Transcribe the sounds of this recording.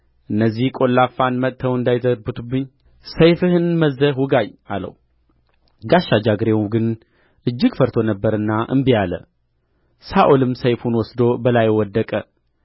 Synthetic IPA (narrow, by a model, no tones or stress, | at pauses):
ʔɨnːəzːihkʼo̞lːafanmət̪t̪ʰːəwɨnd̪ajt̪əbɨt̪ʰubːɨɲː | səjfɨhɨnməzːəhwuɡaja̰lə̰wu | ɡaʃːad͡ʒaɡɨɾemɡɨn | ʔɨd͡ʒːɨɡfəɾt̪ʰo̞nəbːəɾɨnːaʔɨ̰mbijalə̰ | saʔolɨmsəjfunwɔsd̪o̞bəlajwɔd̪ːəkʼə